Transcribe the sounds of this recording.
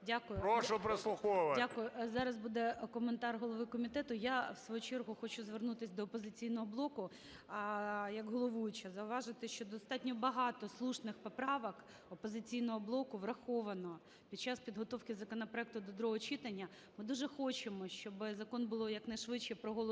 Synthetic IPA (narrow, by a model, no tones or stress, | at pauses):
dʲakʊjʊɾoʃɔpɾeslˠʊxɔʋɐdʲakʊjʊzɑɾɐzbud̪ɛkɔment̪ɑrɦɔlˠɔʋɪkɔmʲit̪ɛt̪ʊjawsʋɔjut͡ʃɛrɦʊxɔt͡ʃʊzʋernut̪ɪsʲd̪ɔːpɔzɪt͡sʲijnɔɦɔblˠɔkʊ | jɐɡɦɔlˠɔʋujʊt͡ʃɐzɐʊʋɑʒɪt̪ɪʃt͡ʃɔd̪ɔst̪ɑtʲnʲɔbɐɦɑt̪ɔslˠuʃnɪxpɔpɾɑʋɐk | ɔpɔzɪt͡sʲijnɔɦɔblˠɔkʊʋrɐxɔʋɐnɔ | pʲid̪̚t͡ʃaspʲid̪ɦɔt̪ɔwkɪzɐkɔnɐpɾɔɛk̚t̪ʊd̪ɔd̪ɾɔɦɔt͡ʃit̪ɐnʲːɐ | mɪd̪uʒɛxɔt͡ʃemɔʃt͡ʃɔbɪzɐkɔnbʊlˠɔjɐknɐjʃʋɪt͡ʃkɛpɾɔɦɔlˠ